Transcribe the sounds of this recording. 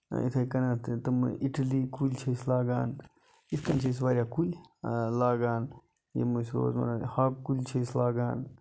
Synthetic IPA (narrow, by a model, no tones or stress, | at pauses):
ḭt̪ʰɐkɐnat̪t̪ɐmʔiʈɐlikulʲt͡ʃʰɐslaːɡaːn | iskɐnt͡ʃʰɐs̬ʋaːɾʲjaːkulʲlaːɡaːn | jḛmusɾo̰ːzmɐ̰nahaːkːulʲt͡ʃʰɐislaːɡaːn